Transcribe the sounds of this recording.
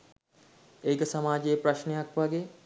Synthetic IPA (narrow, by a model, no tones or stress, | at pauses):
eːkəsamaːd͡ʒeːpɾaʃnejakʋaɡeː